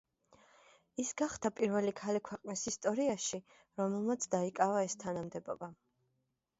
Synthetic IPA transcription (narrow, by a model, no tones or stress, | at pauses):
isɡaχd̪apʼiɾvɛlikʰalikʰwɛqʼnisist̪ʼɔɾiaʃi | ɾɔmɛlˠmat̪sʰd̪aikʼavaɛst̪ʰanamd̪ɛbɔ̰ba